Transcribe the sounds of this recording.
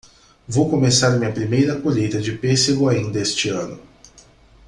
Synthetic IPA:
vowkomesaɾmĩɲɐpɾimejɾɐkoʎejt̪ɐd͡ʒɪpeseɡʊaĩd̪ɐest͡ʃɪɐ̃nʊ

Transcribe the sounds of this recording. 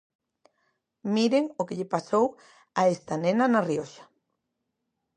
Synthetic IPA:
miɾeŋokeʎepasow | aest̪anenanarioʃḁ

